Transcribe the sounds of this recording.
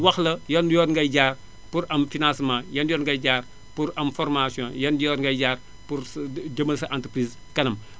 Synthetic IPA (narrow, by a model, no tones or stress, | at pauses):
wɐxlɐjɐnjɔːdŋɡɐjd͡ʒaːr | puɾɐmfinãsmãːjɐnjɔːtŋɡɐjɟaːr | puɾɐmfɔrmasjɔ̃jɐnjɔːtŋɡɐjɟaːr | puɾd͡ʒəmɐlsɐʔãntɾpɾis | kɐnɐm